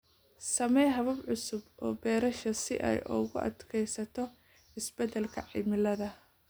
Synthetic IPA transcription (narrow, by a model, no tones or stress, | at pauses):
sɐmɛjɦɐβɐbʕʊsʊbʔɔːbɛːɾɐʃɐsɪ̰ʔɛ̰jʔɔ̰ɣʊʔɐ̰d̪kʰɛjsɐt̪ʰɔ | ɪsb̥ɛd̪ɛlkʰɐʕɪ̰mɪlɐðɐ